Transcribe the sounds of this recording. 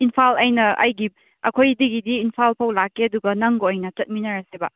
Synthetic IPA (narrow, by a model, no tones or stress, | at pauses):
inpʰalɐjnɐʔɐ̰jɡi | ɐ̰kʰojdiɡidiːnpʰalpʰɐwlakːeɐduɡɐnɐŋɡoojnɐt͡ʃɐt̚minɐɾɐsebɐ̰